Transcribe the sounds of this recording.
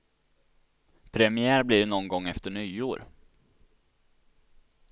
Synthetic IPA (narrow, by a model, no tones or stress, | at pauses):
pʰɾɛmɪæːɾbliːɾnɔnɡɔŋːɛft̪əɳyːoːɾ